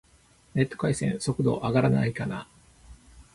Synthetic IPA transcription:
ne̞t̪ːo̞̥kaisẽ̞̰ɰ̃so̞kɯ̟d̪o̞̰ʔaɡaɾana̰ikana

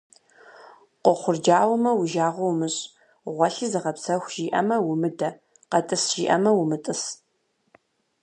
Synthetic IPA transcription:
qʷɔχʷʊrd͡ʒaːwɐmɐwʊʒaːʁʷɔwmɨɕʼ | ʁʷɔɬɨzɨʁɐpsɐxʷʒiːʔɐmɐwʊmɨdɐ | qɐtʼɨsʒ̥ḭːʔɐmɐwʊmɨtʼɨs

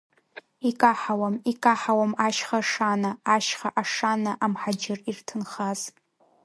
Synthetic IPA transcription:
ikʼaħawamikʼaħawamaʃχaʂanaːʃχaʔaʂanaʔamħad͡ʒɪrirtʰɨnχaz

